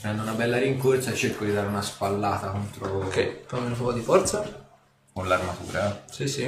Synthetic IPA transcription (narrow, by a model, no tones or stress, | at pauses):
pɾɛnd̪ounabɛlːaɾiŋkort̪sat͡ʃerkod̪id̪aːɾeunaspalːaːt̪akont̪ɾokɛkɔmelofɔkod̪ifɔrt̪sa | konlarmat̪ṵːɾasisi